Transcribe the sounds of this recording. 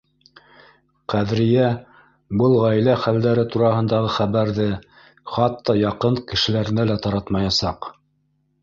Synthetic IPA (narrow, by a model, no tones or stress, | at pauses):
qæðɾɘ̆jæ | bɤlˠʁæjlæχæld̪æɾɘt̪uɾɑɦɤ̆nd̪ɑʁɤχæβæɾðɘ | χɑt̪ːɑjɑqɤɴkɘ̆ʃɘ̆læɾɘ̆nælæt̪ɑɾɑt̪mɑjɑsɑq